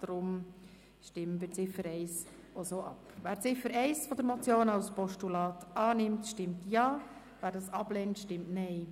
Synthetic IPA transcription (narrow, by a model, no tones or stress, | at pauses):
d̥ɾʊm | ʃtɪmːənviːɾt͡sɪfəɾɛɪs | osoːʔɑpvæːɾt͡sɪfəɾɛɪsfɔd̪əɾmɔt͡sjoːnaʊspɔʃtulɑːtʔɑːnɪmtʃtɪmtjɑː | væːɾdɑsɑb̥lɛntʃtɪmtnɛɪ